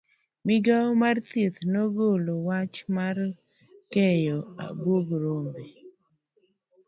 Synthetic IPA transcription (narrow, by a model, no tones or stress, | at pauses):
mɪɡaɔmart̪it̪noɡolowat͡ʃmar | kɛjɔa̰boɡɾombe